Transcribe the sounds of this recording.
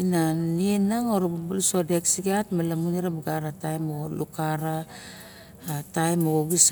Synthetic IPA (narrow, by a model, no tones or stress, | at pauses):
nanienaŋoɾabubulusodeksiɡatmalamuniɾabaɡaɾatajmolukaɾa | tajmooɡis